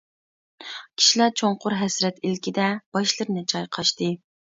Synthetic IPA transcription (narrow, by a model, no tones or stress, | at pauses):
kʲʰi̥ʃilæt͡ʃʰoɴqʊɾɦɛsɾɛt̪ilkʲʰid̪ɛb̥ɑʃlˠɨɾnɨt͡ʃʰɑjqʰɑʃt̪ɨ